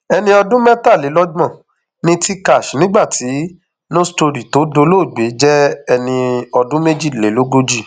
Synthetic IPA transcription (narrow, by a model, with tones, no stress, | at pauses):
ɛ˧nĩ˧ɔ˧dũ˦mɛ˦ta˦˨le˨˦lɔ˦d͡ʒã˦˨ | nĩ˦ti˦ka˦˨ʃnĩ˨˦ɡ͡ba˦˨ti˨˦ | nõ˦sto˧ɾi˨to˨˦do˧˦lo˦˨ɡ͡be˨˦d͡ʒɛ˦ɛ˧nĩ˧ɔ˧dũ˦me˦d͡ʒi˦˨le˨˦lo˦ɡo˦d͡ʒi˦˨